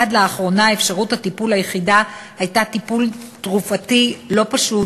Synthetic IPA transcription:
adleaχʁo̞naefʃaʁuthatipulajeχidahajtatipultʁufatilo̞paʃu

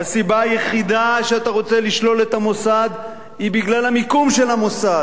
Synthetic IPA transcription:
asibaːjeχid̪aʃeat̪aʁo̞t͡se̞liʃlo̞le̞t̪amo̞sad̪ | hibiɡlalamikumʃe̞lamo̞sa

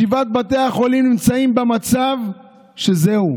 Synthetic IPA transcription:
ivat̪̚bat̪eaχo̞limnimt͡saimbemat͡sav | ʃe̞zehu

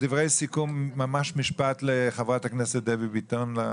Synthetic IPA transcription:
d̥ivʁejsikumːamaʃmiʃpatleχavʁathaknɛsɛt̚d̪ɛvibitonla

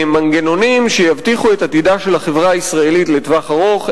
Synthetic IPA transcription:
maŋɡeno̞nimʃe̞javt̪iχue̞tat̪idaʃe̞lhaχevʁaːisʁae̞lit̪le̞tvaχaʁo̞χ

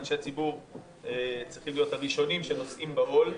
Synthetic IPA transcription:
nʃeat͡sibuʁ | et͡sʁiχlijo̞thaʁiʃo̞nimʃeno̞sʔimbaʔol

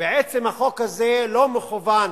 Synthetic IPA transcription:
beʕet͡semhaχo̞khazelomeχuvan

